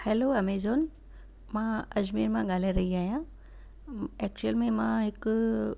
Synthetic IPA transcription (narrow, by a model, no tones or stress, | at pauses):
hɛːloːɐmeːzoːn | mãɐd͡ʑmiːɾmãɠaːleɾɐɦiaːɦijãː | ɛːk̚t͡ɕuəlmẽmãɦɪk